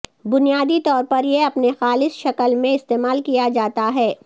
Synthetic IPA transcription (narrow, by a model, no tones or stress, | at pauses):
bʊnijaːd̪it̪ɔːɾpɐɾjeɐpnexaːlɪsʃɐkəlmẽɪst̪eːmaːlkijad͡ʒaːt̪aɦɛː